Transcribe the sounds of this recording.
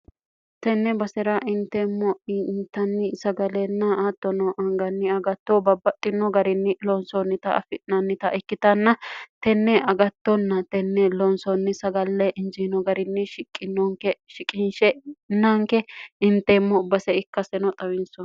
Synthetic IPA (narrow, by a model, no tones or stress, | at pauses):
t̪ɛnːɛbɐsɛɾɐʔɪnt̪ːemːɔnt̪ːɐnːɪsɐɡɐleːnːɐaːt̪ːɔnɔʔɐŋɡɐnːɪɐɡɐt̪ːobɐbːɐt̪ʼːɪnːɔɡɐɾɪnːɪlɔnsɔnːɪt̪ɐʔɐ̰fɪnɐnːɪt̪ɐʔɪkːɪt̪ɐnːɐt̪ɛnːɛʔɐɡɐt̪ːɔnːɐt̪ɛnːɛlɔnsɔnːɪsɐɡɐlːɛʔɪnd͡ʒinɔɡɐɾɪnːɪʃɪkʼːɪnːɔŋkɛʃɪkʼɪnʃɛnːaŋkɛɪnt̪ːeːmːɔbɐsɛɪkːɐsɛnɔt̪ʼɐwɪnsɔn